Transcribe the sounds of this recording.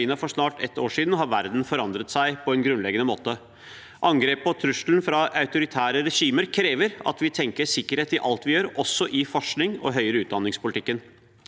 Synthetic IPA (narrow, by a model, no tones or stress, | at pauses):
iːnɑfɔʂnɑːʈɛ̰t̪ːoːʂiːd̪n̩ɦɑɾʋæɾd̪n̩fɔɾɑnd̪ɾət̪sæɪpʰɔɛnɡɾʉnlɛɡənəmoːt̪ə | ʔɑŋɡɾeːpɔt̪ʰɾʉʂln̩fɾɑɑʉt̪ʊɾɪt̪ʰæːɾəɾɛʂiːməɾkʰɾeːʋəɾɑ̰t̪ʋɪt̪ʰɛŋkəsɪkːəɾheːt̪ɪʔɑlt̪ʋɪjøːɾɔsːɔʔɪfɔʂɳɪŋɔ̰ɦœʏəɾəʉːt̪̚d̪ɑnːɪŋspʊlɪt̪ʰɪkːən